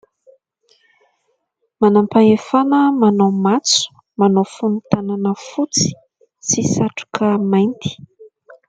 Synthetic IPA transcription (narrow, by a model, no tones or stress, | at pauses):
manampaefanəmanawmat͡su̥ | manowfunut̪ananəfut͡si̥ | t͡sisaʈ͡ʂu̥kʰəmajnt̪i̥